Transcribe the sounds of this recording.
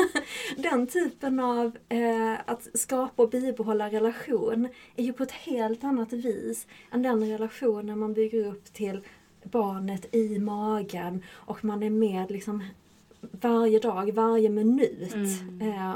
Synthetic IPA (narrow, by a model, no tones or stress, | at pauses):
d̪ɛnt̪ʰyːpənav | at̪skɑːpaɔbiːbɛɦɔlːaɾɛlaɧuːnæɾjɵpʰɔɛt̪heːlt̪anːat̪viːsʔɛnd̪ɛnɾɛlaɧuːnænmanbʏɡːəɾɵpːt̪ʰɪl | bɑːɳət̪ɪmɑːɡənʔɔkmanæɾmeːd̪lɪksɔm | vaɾjəd̪ɑːɡvaɾjəmɪnʉ̟ːt̪